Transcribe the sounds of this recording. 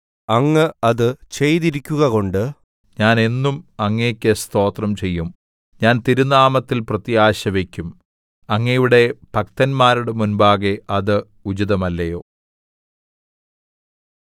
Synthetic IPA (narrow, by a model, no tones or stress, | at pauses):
ɐŋːɐɐðɨt͡ɕe̞jðiɾikʲːuɣɐko̞ɳɖɨ | ɲaːne̞nːumɐŋːeːkʲːest̪o̞ːt̪rɐmt͡ɕe̞jːum | ɲaːnt̪iɾunːaːmɐt̪ːilprɐt̪ijaːɕɐʋe̞kʲːum | ɐŋːɐjuɽe̞bʱɐk̚t̪ɐnmaːɾuɽemunbaːɣeʔɐðɨ | ud͡ʑiðɐmɐlːɐjo̞ː